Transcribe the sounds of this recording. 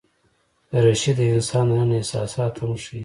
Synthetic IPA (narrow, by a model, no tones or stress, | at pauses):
d̪əɾaʃid̪əɪnsɑnənehsɑ̰ːsɑːt̪hamʂi